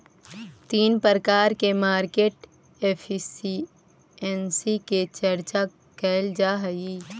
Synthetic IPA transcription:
t̪iːnpəɾəkaːɾkemaːɾkeːʈ | eːpʰsi | ɛnsiket͡ʃəɾt͡ʃa | kɛːld͡ʒaɦəiː

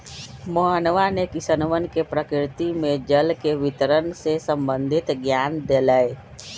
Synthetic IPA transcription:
məɦənʋanekɪsənʋənkepɾəkɪɾt̪imẽd͡ʒəlkeʋɪt̪əɾənsesə̃mbə̃nd̪ʱɪt̪ɡjaːnd̪eləe

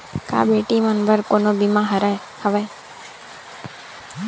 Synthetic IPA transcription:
ka̰ːbeːʈiːmənbəɾkoːnoːbimãːɦəɾae | həʋeː

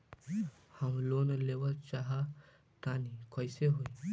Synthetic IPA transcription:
hãmlonleʋət͡ʃaɦa | t̪anikɔjseɦoj

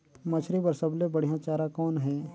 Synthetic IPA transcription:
mɐt͡ʃʰɾibɐɾsɐblebɐɽ̤ijãt͡ʃaːɾãkɔːnɦɛː

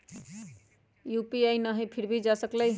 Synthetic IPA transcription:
jupiajnʌɦʌjpʰiɾbid͡zasʌklʌj

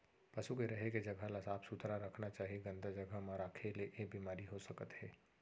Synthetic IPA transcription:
pɐʃukeɾɐɦeked͡ʒɐɡʱəlɐsaːbsut̪ɾaɾɐkʰnat͡ʃaːɦieɡɐ̃nd̪ʱad͡ʒɐɡʱəmaːɾakʰeleʔebiːmaːɾiɦosɐkət̪ɦɛː

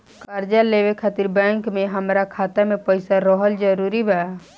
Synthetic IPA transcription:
kkəɾd͡ʒalebekʰat̪iɾbɛ̃ŋkmeɦəmɾakʰat̪amepəɪsaɾəɦəld͡ʒəɾuɾibʱɛa

